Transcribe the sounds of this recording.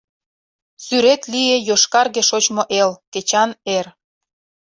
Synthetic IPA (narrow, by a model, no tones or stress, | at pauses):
syɾet̪lijejoʃkɑrɣeʃot͡ɕmoʔelket͡ɕɑner